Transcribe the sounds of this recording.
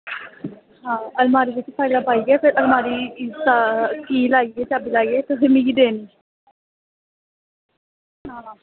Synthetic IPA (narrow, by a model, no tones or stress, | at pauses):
ɦãːəlmaːɾiːdɪt̪epʰaːid̪aːpaːiːɡɛːpʰɪɾʔəlmaːɾiːisakiːlaːiɡeːt͡ʃaːbiːlaːieːt̪eɦemĩɡid̪eːniː | ɦãː